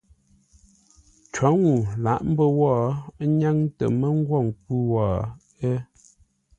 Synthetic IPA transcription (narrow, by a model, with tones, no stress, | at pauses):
t͡ʃwɔ˨˦ŋu˨la̰˨˦ʔm̩˦bə˦wɔː˦˨˦ɲa˦ŋtə̰˨mə˦ŋ˦ɡwɔ˦˨ŋ˨k̚wu˦wɔː˨ | e˦